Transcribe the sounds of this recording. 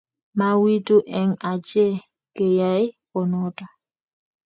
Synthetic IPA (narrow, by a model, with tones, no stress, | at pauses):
ma˨wi˦tu˦ʔɛ˦ŋa˨t͡ʃɛ˦˨ | ke˨ja˨˦ɪ˦pɔ˨nɔ˦ta˨